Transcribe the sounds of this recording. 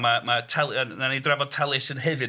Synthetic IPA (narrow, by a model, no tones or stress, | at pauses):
mamatʰɛlˠənanidrɛvɔd̚tʰɛlˠɪsənɦɨvɨ